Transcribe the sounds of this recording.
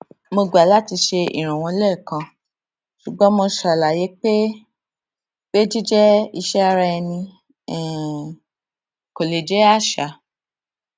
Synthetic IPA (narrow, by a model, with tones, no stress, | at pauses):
mo˧ɡ͡ba˨la˦ti˧ʃe˧ḭ˨ɾ̃ã˨w̃ɔ̃˧lɛ˦˨kã˧ | ʃu˨ɡ͡bɔ̃˨˦mõ˧ʃa˨la˨je˨˦k͡pe˦ | be˦d͡ʒi˦d͡ʒɛ˦i˧ʃɛ˦a˧ɾa˧ɛ˧nĩ˧ | ɛ˨ | ko˨le˨d͡ʒɛ˦a˦˨ʃa˨